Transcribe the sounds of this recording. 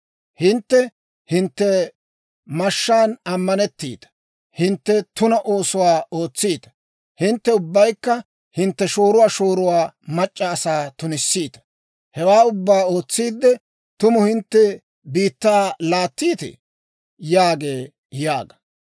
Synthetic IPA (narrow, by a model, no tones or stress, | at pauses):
hɪnt̪ːɛ | hɪnt̪ːɛ | mɐʃːaːnɐmːɐnɛt̪ːḭːt̪ɐ̥ | hɪnt̪ːɛt̪ʊnɐʔo̞ːsʊwaːo̞ːt͡sːiːt̪ɐ̥ | hɪnt̪ːɛʊbːɐjkːɐ | hɪnt̪ːɛʃo̞ːɾʊwaːʃo̞ːɾʊwaːmɐt͡ʃʼːɐːsaːt̪ʊnɪsːiːt̪ɐ̥ | hɛwaːʊbːaːo̞ːt͡sːiːd̪ːɛ | t̪ʊmʊhɪnt̪ːɛ | biːt̪ːaːlaːt̪ːiːt̪ɛ̰ | jaːɡe̞ː | jaːɡɐ̥